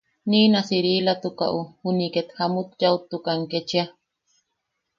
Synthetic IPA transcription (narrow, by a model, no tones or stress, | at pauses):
niːnasiɾiːlat̪uka̰ʔuhuniket̪hamut̪jaut̪ːukaŋket͡ʃia